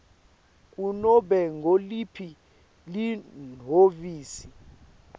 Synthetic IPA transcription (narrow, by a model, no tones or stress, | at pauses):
k̬ʼunɔɓɛŋɡʱolipʰi | lin̤oviːsi